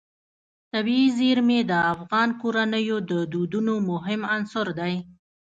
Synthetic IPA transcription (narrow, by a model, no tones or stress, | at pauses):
t̪abiizeɾmed̪əafɣɑnkoɾanəjod̪əd̪ud̪unomʊɦɪmansʊɾd̪aj